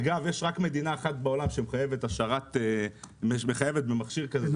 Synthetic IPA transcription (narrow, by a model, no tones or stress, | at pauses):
aɡavjeʃʁakme̞d̪inaeχatbeo̞lamʃemχaje̞vetaʃaʁat̪emeʃmeχajevet̚bemaχʃiʁkaze